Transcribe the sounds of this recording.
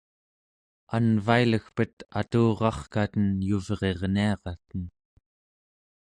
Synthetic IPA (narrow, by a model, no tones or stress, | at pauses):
anvailəxpət̪a̰t̪uːʁɑχkat̪ənjuvʁe̞ʁniɑʁɑt̪ən